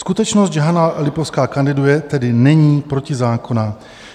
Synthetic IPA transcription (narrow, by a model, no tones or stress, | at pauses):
skut̪ɛt͡ʃnost̪d͡ʒɛɦanalɪpofskaːkandɪdujɛt̪ɛdɪnɛɲiːpɾocɪzaːko̞na